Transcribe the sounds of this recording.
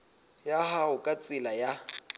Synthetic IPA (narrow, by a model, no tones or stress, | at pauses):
jahaʊkʼat͡sʼɪlaja